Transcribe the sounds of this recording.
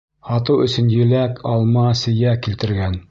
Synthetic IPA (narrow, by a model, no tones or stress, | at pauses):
hɑt̪ɤwɵ̆sɵ̆njɘ̆lækʰɑlˠmɑsɘ̆jækilt̪ɘ̆ɾɡæn